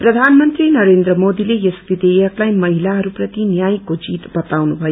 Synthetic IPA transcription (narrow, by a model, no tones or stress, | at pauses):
prʌd̪ʱanmʌnt̪rinʌɾend̪rʌmod̪ilejesbid̪eʌklajmʌɦilaɦʌɾuprʌt̪injajkod͡zit̪bʌt̪awnubʱʌjo